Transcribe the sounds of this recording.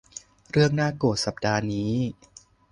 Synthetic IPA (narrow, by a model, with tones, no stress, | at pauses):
ɾɯ˥˩əŋnaː˥˩koː˨˩t̪̚sa˨˩p̚daː˧niː˦˥